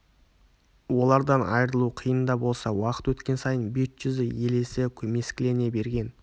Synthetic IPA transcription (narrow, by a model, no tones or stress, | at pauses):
wo̞lˠɑɾd̪ɑnɑjɾəlˠuqʰijənd̪ɑbo̞lˠsɑwɑqə̥t̪wɵt̪kʲe̞nsɑjənbet̪ʒʏzɪje̞le̞sɪkʲʰɵme̞skʲɪle̞ne̞be̞ɾɡʲe̞n